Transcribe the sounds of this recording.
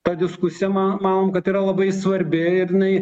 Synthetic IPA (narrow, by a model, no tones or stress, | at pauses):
t̪ɐd̪ʲɪskʊsʲɪjɛmɑmɑːnoːmkɐt̪iːɾɐlˠɐbɐɪsʋɐɾʲbʲɪɪɾjɪnɐɪ